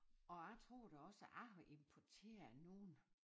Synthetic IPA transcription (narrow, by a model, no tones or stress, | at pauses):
ɒ̽æt͡sʰʁo̝̰ːɾ̥æɒ̽səʔɑɒʔe̝mpʰɒt͡sʰe̝̰ːɐno̝ːn̩